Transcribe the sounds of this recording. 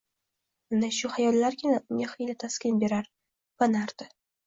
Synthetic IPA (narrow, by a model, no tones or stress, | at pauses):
and̪aʃʊhajɒllːaɾkʲʰɪnaʔʊŋʲaχijlɪt̪ʰaskʲɪnbe̞ɾaɾ | b̥anaɾd̪ɪ